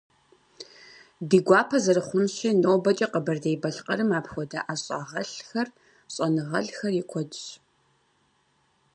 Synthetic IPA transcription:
diːɡʷɑːpʰɐzɐrɨχʷʊnɕɪnoːbɐt͡ʃʼɐqəbɐrdejbɐɬqɐɾɨmaːpxʷɔdɐʔaɕʼa̰ːʁɐɬxɐr | ɕʼɐnɨʁɐɬxɐrjɪkʷʰɔdɕ

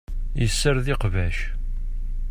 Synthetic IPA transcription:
jəsːəɾðɪqvæʃ

